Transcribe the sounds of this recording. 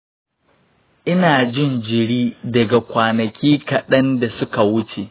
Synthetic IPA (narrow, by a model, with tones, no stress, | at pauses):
ʔɪ˦naː˨d͡ʒɪ˦nd͡ʒɪ˨ɽiː˦dɐ˨ɡa˨kʷaː˨nɐ˨kʲiː˦kɐ˨ɗɐ˦nda˨sʊ˦ka˨wʊ˦t͡ʃe˨ʔ